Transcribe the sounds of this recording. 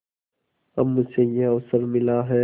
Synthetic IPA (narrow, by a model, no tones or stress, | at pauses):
əmːʊseːjeːoʋsəɾmɪlaːɦɛː